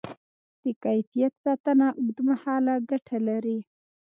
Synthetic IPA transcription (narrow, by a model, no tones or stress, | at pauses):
d̪̥əkajfijat̪sɑt̪ənaʔʊɡd̪əmahɑlaɡaʈʰalaɾi